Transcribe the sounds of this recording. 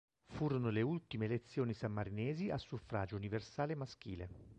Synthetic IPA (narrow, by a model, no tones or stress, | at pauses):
fuːɾonoleult̪imeːlet̪sːjoːnisamːaɾinɛːziasːufɾa̰ːd͡ʒouniversaːlemask̟ḭːle